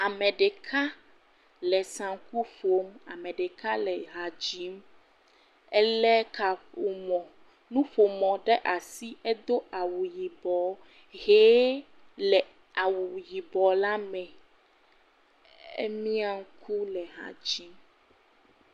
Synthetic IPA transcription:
a˨mɛ̃˨ɖɛ˨kʰa˦ | lɛ˨sã˨ŋku˦fo˦ma˨mɛ̃˨ɖɛ˨ka˦lɛ˨ɦa˨d͡ʑi˦m | ɛ˦lɛ˦ka˨ɸo˨mɔ̃˨ | nũ˦ɸo˨mɔ̃˨ɖɛ˦ʔa˨si˦ɛ˦d̪o˦a˨wu˨ji˨bɔ˨ | ɦe˦ | lɛ˨ | a˨wu˨ji˨bɔ˨la˦mɛ̃˨ | ɛ̰˦mĩ˦a˨ŋ̩˦kʰu˦lɛ˨ɦa̰˨d͡ʑi˦m

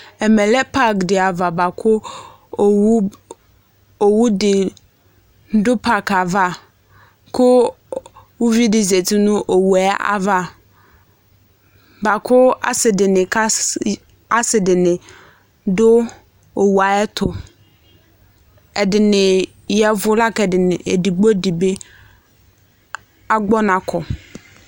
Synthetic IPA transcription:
ɛ˨mɛ̃˨lɛ˦pʰa˦kdɪ˨a˨va˨ba˨kʰʊ˦˨˦ | o˨wu˦dɪ˨ | n̩˦dʊ˦pʰa˨kʰa˨va˦ | kʰʊ˦ | wʊ˦vi˦dɪ˦ze˨tʰi˦nʊ̃˦ʔo˨wu˨ɛ˦a̰˨va˦ | ba˨kʰʊ˦a̰˨sɪ˨dɪ˨nɪ̃˨ka˦ | a˦sɪ˨dɪ˨nɪ̃˨ | dʊ˦ | o˨wu˨a˨ɛ˦t̪ʰʊ˨ | ɛ˨dɪ˨nɪ̃˨ | jɛ˨vʊ˦la˦kɛ˨dɪ˨nɪ˨e˨di˨ɡ͡bo˦di˨be˦ | a˦ɡ͡bɔ˦nã˨kʰɔ˨

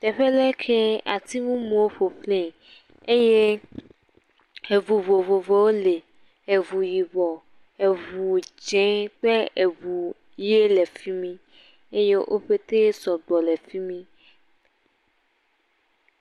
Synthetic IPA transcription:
t̪ɛ˨ɸe˦lɛ˦kʰe˦a˨t̪i˦ŋũ˦mũ˨wo˦ɸo˨ɸlẽ˦˨ | e˦je˦ | e˨vu˨vo˨vo˨vo˨wo˦le˨ | e˨vu˨ji˨βɔ˨ | e˨vu˨d͡ʒɛ̃˨˦k͡pe˦e˨vu˨ | je˦le˨fi˦mĩ˦ | e˦je˦ʔo˦ɸe˦t̪e˦sɔ˨ɡ͡bɔ˨le˨fi˦mĩ˦

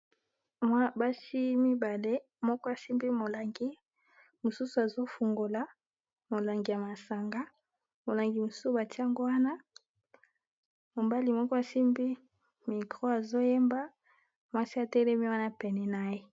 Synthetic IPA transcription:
mwa˦ba˦ʃi˦mi˦ba˨le˦ | mɔ˦kɔ˦a˨si˦mbi˦mo˨la˨ŋɡi˦ | mo˨su˦su˨a˨zo˦fu˨ŋɡo˨la˨ | mo˨la˨ŋɡi˨ja˨ma˨sa˨ŋɡa˦ | mo˨la˨ŋɡi˨mo˨su˦su˦ba˨ti˦a˦ŋɡo˦wa˦na˦ | mo˨ba˦li˨mɔ˦kɔ˦a˨si˦mbi˦ | mi˨kʁo˦a˨zo˦je˦mba˦ | mwa˦si˦a˨tɛ˦le˦mi˦wa˦na˦pɛ˨nɛ˨na˨e˦

